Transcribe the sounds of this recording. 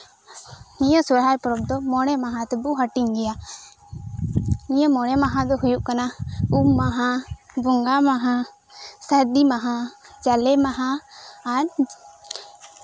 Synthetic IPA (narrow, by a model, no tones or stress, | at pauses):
nijɔsɔɾɦajpɔɾɔb̚d̪ɔmɔɽ̃ɛmaɦãt̪ɛbuɦaʈiɲɡɛja | nijɔmɔɽ̃ɛmaɦãd̪ɔɦujuʔkanaubmaɦã | bɔŋɡamaɦã | saɾd̪imaɦãd͡ʒalɛmaɦaː | ɾ